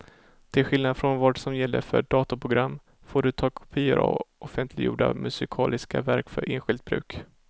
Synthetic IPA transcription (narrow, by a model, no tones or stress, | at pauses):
d̪̥ɛɧɪlnad̪fɾɔnvaːɖsɔmjɛlːəfœɖɑːt̪apʰɾʊɡɾamː | foːɖɵt̪ʰɑːkʰʊ̥pʰiːəɾɔ̰ʔɔfɛnt̪ʰlɪɡjṵːɖa̰mɵsɪkʰɑːlɪskavæɾkfœɾʔeːnɧɪlt̪̚bɾʉ̟ːk